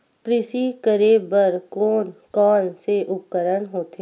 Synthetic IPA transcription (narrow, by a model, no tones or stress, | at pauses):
kɾɪʃikəɾeːbəɾkoːnkɔːnseʔʊp̚kəɾəɽɦoːt̪e